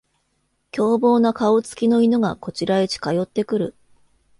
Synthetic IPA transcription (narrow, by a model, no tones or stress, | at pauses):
kʲo̞ːbo̞ːnakao̞t͡sɨ̥kʲino̞ino̞ɡako̞t͡ɕiɾaet͡ɕi̥kajo̞t̪ːe̞kɯ̟ɾɯ̟